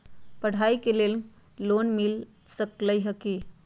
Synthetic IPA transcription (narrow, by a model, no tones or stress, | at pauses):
pəɽ̤aikelel | lonmil | səkləjɦəki